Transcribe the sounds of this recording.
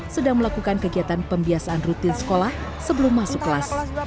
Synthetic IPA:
sədaŋməlakukankəɡiat̪anpəmbiasaʔanrut̪ɪnsə̥kolah | səbəlʊmːasʊkːəlas

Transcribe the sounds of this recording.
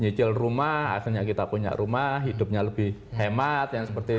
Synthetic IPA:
ɲit͡ʃɪlrumaha̰χɪrɲakit̪apuɲa̰ʔɾumahɦidʊp̚ɲaləb̥ɪhhemat̪jaŋsəpərt̪i

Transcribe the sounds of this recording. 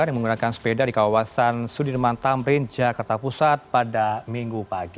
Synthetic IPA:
anjaŋməŋɡunakanspedadikawasansudɪrmant̪amɾind͡ʒakart̪apusat̪̚padamiŋɡupaɡi

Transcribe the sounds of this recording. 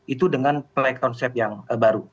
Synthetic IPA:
ʔit̪udəŋanplɛkɔnsɛp̚jaŋəbaɾu

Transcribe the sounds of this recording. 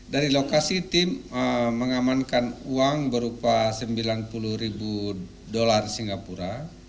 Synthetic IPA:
daɾilokasit̪iməməŋamankanuaŋbəɾupasəmbilanpuluɾibu | dolarsiŋɡapuɾa

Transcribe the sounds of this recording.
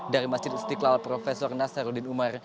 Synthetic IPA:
daɾimasd͡ʒɪd̪̚st̪iklalpɾɔfesɔrnasaɾudɪnumar

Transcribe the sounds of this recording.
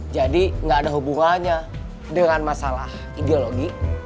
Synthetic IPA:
d͡ʒadiŋɡaːdaɦubuŋaɲa | dəŋanmasala̰h | ideoloɡi

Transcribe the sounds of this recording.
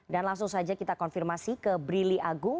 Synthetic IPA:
danlaŋsʊŋsad͡ʒakit̪akɔnfirmasikəbɾiliʔaɡu

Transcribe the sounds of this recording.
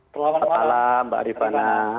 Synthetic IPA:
ətalamba̰ʔɾipana

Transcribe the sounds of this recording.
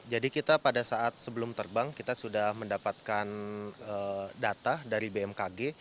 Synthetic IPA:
d͡ʒadikit̪apadasaat̪̚səbəlʊmt̪ərbaŋkit̪asudahməndapat̪̚kanədat̪adaɾibeɛmkaɡe

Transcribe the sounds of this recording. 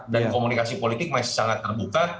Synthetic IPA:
dankomunikasipolit̪ɪk̚maɪsaŋat̪ːərbukat̪̚

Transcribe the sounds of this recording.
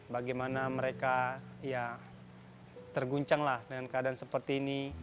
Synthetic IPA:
baɡajmanaməɾekaija | t̪ərɡuɲt͡ʃaŋlahdəŋankəadansəpərt̪iːni

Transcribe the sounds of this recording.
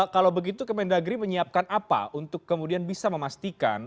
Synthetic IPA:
kalawbəɡit̪ukəmɛndaɡɾiməɲiap̚kanapa̰ʔunt̪ʊkːəmudianbisaməmast̪ika̰n

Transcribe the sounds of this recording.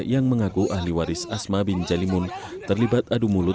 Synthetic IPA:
jaŋməŋakuʔahliwaɾɪsasmabind͡ʒalimʊn | t̪ərlibat̪̚adumulʊ

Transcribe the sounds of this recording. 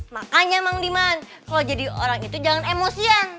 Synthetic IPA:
maʔaɲamaŋdiman | kalawd͡ʒadioɾaŋit̪ud͡ʒaŋanemosian

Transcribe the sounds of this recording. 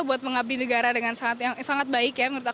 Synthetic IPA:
buat̪̚məŋab̚linəɡaɾadəŋansaŋat̪jaŋsaŋat̪̚baɪkjaŋəɾut̪a

